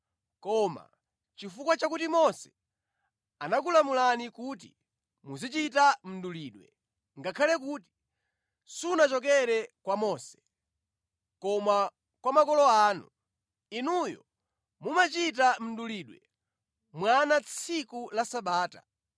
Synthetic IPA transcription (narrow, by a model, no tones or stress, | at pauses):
kɔma̰ | t͡ʃifukwat͡ʃakutimɔsɛ̥ | anak̬ulamulanikut̬ḭ | muzit͡ʃitam̩duliːɗwɛ̰ | ŋɡakʰalɛk̬uːti̥ | sunat͡ʃɔkɛɾɛkwamɔsɛ̥ | kɔma | kwamakɔlɔaːnṵ | inujɔ̰ | mumat͡ʃit̬am̩duliɗwɛ | mwanat͡sʰikulasaɓaːta̰